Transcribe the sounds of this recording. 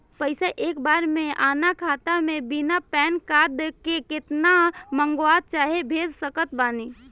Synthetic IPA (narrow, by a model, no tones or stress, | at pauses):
pəɪsaʔeːkbaːɾmẽʔaːnakʰaːt̪amẽbinapɛːnkaːd̪kekɪt̪namə̃ŋɡwaːd̪̚t͡ʃaːɦebʱeːd͡ʒsəkət̪baːniː